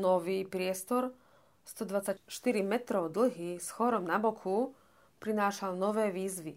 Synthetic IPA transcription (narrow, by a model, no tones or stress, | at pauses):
nɔʋiːpɾɪɛst̪ɔɾ | st̪ɔd̪ʋat͡sacʃt̪iɾimɛt̪ɾɔʊd̪l̩ɦisxɔɾɔmnabɔkʰu | pɾinaːʃalnɔʋɛːʋiːzʋi